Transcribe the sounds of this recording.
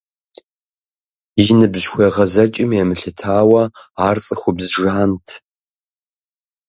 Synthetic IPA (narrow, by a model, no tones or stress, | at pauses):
ɪʒnɨbzxʷɐʁɐzɐt͡ʃʼɪmjɛmɨɬɨtʰaːwɐaːrt͡sʼɨxʷʊbzʒaːntʰ